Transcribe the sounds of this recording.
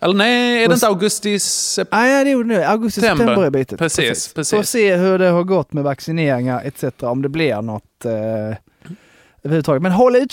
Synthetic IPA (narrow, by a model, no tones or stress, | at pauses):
ʔɛlːənɛædɛənəaʊɡɵst̪ɪsɛad̪ɛjuːɖɛnʉːaʊɡɵst̪ɪsɛt̪ʰɛbəɾɛbiːt̪ət̪pʰɾɛsʰɾiːsːsspʰɾɛɔseːɦɵɖɛhaɾɡɔt̪ːmɛvaksɪneːɾɪŋaɾɛ̰t̪sɛt̪əɾaɔmd̪ɛblɪɾnɔt̪ | øːvɾhʉət̪ʰɑɡət̪mɛnɦɔlːaʉ